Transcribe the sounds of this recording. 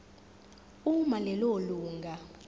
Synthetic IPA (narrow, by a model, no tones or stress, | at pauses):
umalɛloluːŋɡʱa